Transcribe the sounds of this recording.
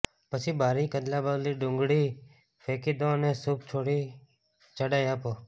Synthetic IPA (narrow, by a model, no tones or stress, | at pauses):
pəsiːbʱaːɾiːkəd̪laːbaːd̪liːɖʊ̃ŋɡɽiː | pʰeːkiːd̪õːnẽːsʊpt͡ʃʰoːɽiː | t͡ʃəɽaːjaːpoː